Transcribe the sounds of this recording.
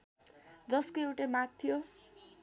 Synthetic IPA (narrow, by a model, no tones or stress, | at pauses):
d͡zʌskoewʈamak̚t̪ʰijo